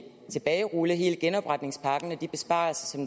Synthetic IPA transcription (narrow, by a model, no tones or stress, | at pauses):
t͡sʰe̝b̥ɛːɪʁuːləɦe̝ːləɡ̥enɒ̽b̥ʁad̥ne̝ŋspʰɑ̈ːɡ̥ən̩æd̥ib̥e̝sb̥ɑ̰̈ːl̩sɐsɒ̽m